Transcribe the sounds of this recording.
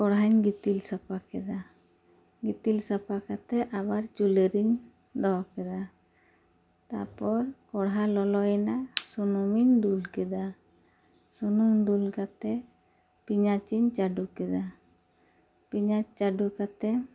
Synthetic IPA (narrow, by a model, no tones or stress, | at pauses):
kɔɽɦaɲɡit̪ilsapakɛd̪a | ɡit̪ilsapakat̪ɛʔabaɾt͡ʃuleɾiɲdɔkɛd̪a | t̪a̰pɔɾkɔɽɦalɔlɔjnasunɔminɖulkɛd̪a | sunumiɲɖulkat̪ɛpiɲat͡ʃiɲt͡ʃaɖukɛd̪a | piɲat͡ʃaɖukat̪ɛ